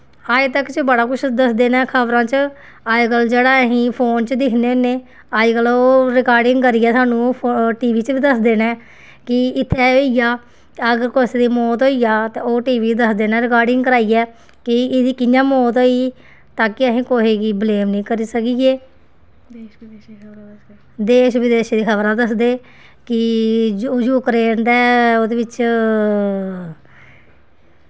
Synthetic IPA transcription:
aːet̪əkt͡ʃəbəɽaːkʊt͡ʃʰd̪əsd̪eːnɛ̃ːkʰəbɾãːt͡ʃ | aːd͡ʒɡəld͡ʒeːɽaːəɦĩːpʰoːnt͡ʃd̪ɪkʰneːʊnːeː | aːd͡ʒɡəloːɾɪkaːɾɖɪŋɡkəɾiːɛːsaːnũːʈiːʋiːt͡ʃʋiːd̪əsd̪eːnɛ̃ː | kɪɪt̪ʰːeːoːijaː | əɡəɾkosd̪iːmɔːt̪ɦoːijaːt̪eːoːʈiːʋiːd̪əsd̪eːnɛ̃ːɾɪkaːɾɖɪŋɡkəɾaːiːɛː | kɪɪd̪iːkɪnjãːmoːt̪ɦoːiː | t̪ãːkɪəɦĩːkoːɦeːɡiːbleːmnĩːkəɾiːsəkiːeː | d̪eːʃʋiːd̪eːʃd̪iːkʰəβɾãːd̪əsd̪eː | kɪd͡ʒojuːkɾeːnd̪ɛːoːd̪eːʋɪt͡ʃ

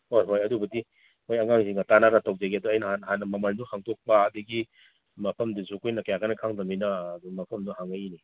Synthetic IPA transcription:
hojɦojɐdubɐdi | mojɐŋaŋziŋɐtanaɾatawzeɡiɐduɐjnɐhanhanɐmɐmɐlnuhaŋtok̚pɐːduɡi | mɐpʰɐmduzukujnɐkɐjaɡanɐkʰaŋdɐminɐmɐpʰɐmduhaŋajni

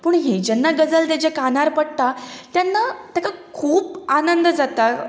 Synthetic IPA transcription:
pəːɳɦed͡ʑɛnːaɡəd͡zəlt̪ad͡ʑekanaɾpəɽt̪at̪janːat̪jakakʰuːpanənd̪d͡zat̪a

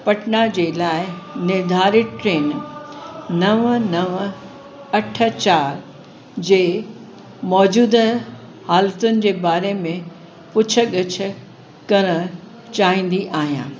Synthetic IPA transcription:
pɐʈnad͡ʑeːlaːɪnɪɾd̪ʱaːɾiʈɾeːn | nɐʋənɐʋə | ɐʈʰə̆t͡ɕaːɾ | d͡ʑeː | mɔːd͡ʑuːd̪ | haːlət̪ʊnɪ̆d͡ʑeːbaːɾemẽ | pʊt͡ɕʰə̆ɠɐt͡ɕʰʊ̆ | kɐɾə̃ | t͡ɕaːɦĩːn̆d̪iʔaːɦijã̰ː

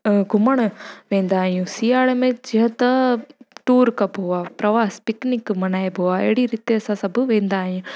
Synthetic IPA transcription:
ɡʱʊməɽ̃ʋẽːnd̪aːɦijũsiːaːɽmẽd͡ʒɪɦə̃t̪ɐʈuːɾkɐbɦoːapɾɐʋaːspɪknɪkmɐnaːebʱoːaḛɦɽiɾɪt̪eɐsãsɐbʱʋẽːnd̪aːɦjũ

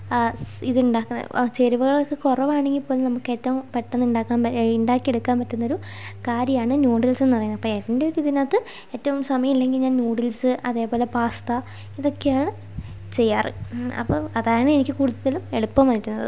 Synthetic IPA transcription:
iðɨuɳɖaːkːunːɐ̰t͡ɕeɾuʋɐɣɐɭlkːɨkorɐʋaːɳe̞ŋɡilpːoːlnɐmukːɨe̞ːtːɐʋumpeʈːɐnːuɳɖaːkːaːmiɳɖaːkːieɽukːaːmpɐtːunːɐo̞ɾu | kaːɾjɐjaːɳɨnoːɽilse̞nːɨpɐrɐjunːɐpːoːeðɐɳɖeoɾiðinaːt̪ːɨ | eːtːɐʋumsɐmɐjɐmilːe̞ŋɡilɲaːnnuːɽilsɨʔɐðe̞ːpo̞ːle̞paːst̪ɐ | iðo̞kːe̞jaːɳɨ | t͡ɕe̞jːaːrɨ̰ɐ̰pːoːɐðaːɳɨenikʲːɨkuːɽuðɐðɐlume̞ɽupːɐmɐðiɾːunːɐ̰ðɨ̰

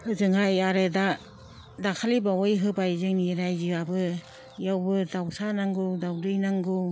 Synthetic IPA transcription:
hɯzɯŋajaɾɯda | dakʰalibawɯjɦɯbajzɯŋniɾajzɯabɯ | jawbɯdawsanaŋɡɯdawdɯjnaŋɡɯ

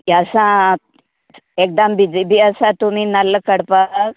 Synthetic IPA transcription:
asã | ek̚d̪ambid͡zibʱiasãt̪um̤iːnalːəkəɽpak

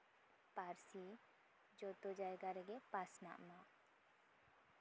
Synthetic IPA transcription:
paɾsi | d͡ʒɔt̪ɔd͡ʒajɡaɾɛɡɛpasna̰ʔma

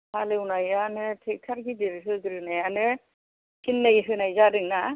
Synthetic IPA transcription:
halewnajanɯtʰetʰaɾkidiɾɯsɯɡɯɾɯnajanɯ | kinlejɦɯnajzaɾɯŋna

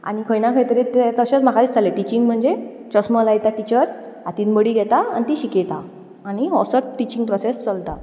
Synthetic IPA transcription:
a̰ñikʰəjnãkʰəjt̪əɾet̪et̪əɕet͡sm̤akʰait͡st̪ʰaleʈit͡ɕiŋɡm̤əɳd͡ze | t͡ɕəsməlajt̪aʈit͡ɕəɾ | at̪iːnbəɽiɡʱɛt̪aa̰nit̪iɕiket̪a | añiɦɔsəʈʈit͡ɕĩŋɡ̚pɾɔsest͡səlt̪a

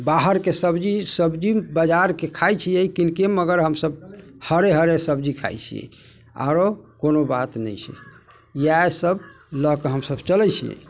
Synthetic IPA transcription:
baɦəɾkesəbd͡ʒisəbd͡ʒibəd͡ʒaɾkekʰajt͡ʃʰijɛjkinkeməɡəɾɦəmsəb̚həɾeɦəɾesəbd͡ʒikʰa̰jt͡ʃʰḭjɛ̰ | a̰ɾokonobat̪nə̰jt͡ʃʰɛ̰ | jaesəb̚ | ləkeɦəmsəbt͡ʃəlɛt͡ʃʰḭjɛ̰

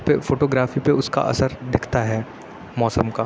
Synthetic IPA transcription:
pefoːʈoːɡɾaːfipeʊska̰ʔɐ̰səɾd̪ɪkʰt̪aɦɛː | mɔːsəmkaː

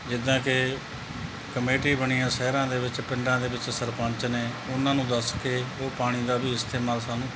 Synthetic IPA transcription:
d͡ʒɪd̪ãːkɪ | kəmeːʈiːbəɳ̃iːãːsɛːɾãːd̪eːʋɪt͡ʃpɪɳɖãːd̪eːʋɪt͡ʃsəɾpə̃ɲt͡ʃneːʊnãːnũːd̪əskeoːpaːɽ̃iːd̪aːbiːɪst̪eːmaːlsaːnũː

